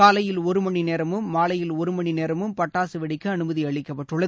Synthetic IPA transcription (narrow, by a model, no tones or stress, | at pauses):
aːlɐjɪlɔɾɯmɐɳineːɾɐmɯmːaːlɐjɪlɔɾɯmɐɳineːɾɐmɯmpɐʈːaːsɯʋɐɽɪkːɯɐnɯmɐðiɐɭɪkːɐpːɐʈrɯɭːɐ